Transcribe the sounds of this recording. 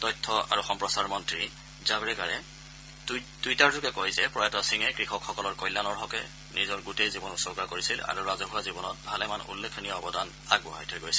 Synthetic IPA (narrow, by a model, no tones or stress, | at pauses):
tɔjtʰːɔa̰ɹuxɔmpɹɔsaɹmɔntɹi | zabɹɛkaɹɛ | dujtaɹzʊɡɛkojzɛpɹɔjatɔsiŋɛkɹixɔkxɔkɔlɔɹkɔjlːanɔɹɦɔkɛ | nʔizɔɹɡutejzibɔnusɔɡakoɹisila̰ɹuɹazɔɦʊwazibɔnɔt̚bʱalɛmanṵlːekʰːɔnijɔɔbɔdan | a̰ɡ̚bɔɦa̰jtʰojɡojsɛ̥